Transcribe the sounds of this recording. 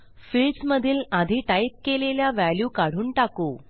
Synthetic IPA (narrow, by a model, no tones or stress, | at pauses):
fiɭsməd̪ʱiːlad̪ʱiːʈajp̚keleljaʋæljuːkaɽ̤uːnʈako